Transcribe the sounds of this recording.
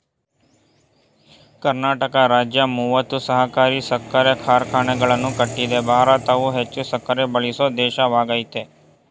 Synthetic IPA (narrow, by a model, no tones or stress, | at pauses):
kəɾnaːʈəkaɾaːd͡ʒjamuːʋət̪usəɦakaːɾisəkːaɾekʰaːɾkʰaːñeɡəɭənũkəʈːid̪ebʱaːɾat̪aʋuɦet͡ʃusəkːaɾebəɭisod̪eːʃaʋaːɡaːit̪eː